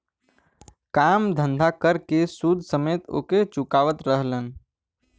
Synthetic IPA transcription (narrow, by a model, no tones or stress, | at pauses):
kamd̪ʱə̃nd̪ʱakəɾkesud̪ʱsəmet̪o̰ːket͡ʃukaʋət̪ɾəɦlən